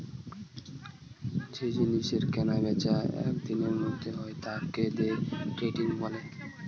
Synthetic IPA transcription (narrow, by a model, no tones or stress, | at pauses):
d͡ʑed͡ʑiniʃeɾkɛnabɛt͡ɕaɛ̰kd̪ineɾmod̪ʱːeɦɔet̪aked̪eʈɾeʈiŋbɔle